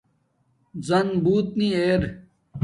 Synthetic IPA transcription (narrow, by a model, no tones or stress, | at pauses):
zɐnbuːt̪nieːɾ